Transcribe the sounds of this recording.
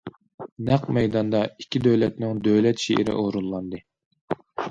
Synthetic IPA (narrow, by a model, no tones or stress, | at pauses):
næqmɛjd̪ɑnd̪ɑikʲʰːid̪øwlɛt̪nɪŋd̪øwlɛt̪ʃeʔɪɾɪ̰ʔoɾulˠːɑnd̪ɨ